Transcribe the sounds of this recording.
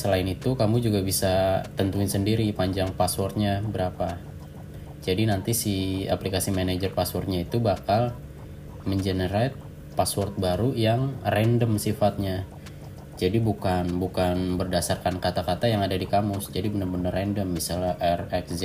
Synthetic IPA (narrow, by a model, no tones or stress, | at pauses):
səlaɪnit̪ukamud͡ʒuɡabisat̪ənt̪uɪɲsəndiɾipaɲd͡ʒaŋpaswɔrt̪̚ɲabəɾapa | d͡ʒadinant̪isia̰plikasimanad͡ʒərpaswɔrt̪̚ɲait̪ubakal | məɲd͡ʒənəɾat̪̚ | paswɔrt̪̚baɾujaŋrɛndəmsifat̪̚ɲa | d͡ʒadibukanbukanbərdasarkankat̪akat̪ajaŋadadikamʊsd͡ʒadibənərbənərɛndəmːisalaʔɛrɛksd͡ʒ